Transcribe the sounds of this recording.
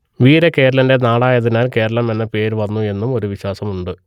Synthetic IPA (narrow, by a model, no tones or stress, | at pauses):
ʋiːɾeke̞ːɾɐlɐnde̞naːɽaːjɐðinaːlke̞ːɾɐɭɐme̞nːɐpe̞ːɾʋɐnːue̞nːumo̞ɾuʋiɕwaːsɐmuɳɖɨ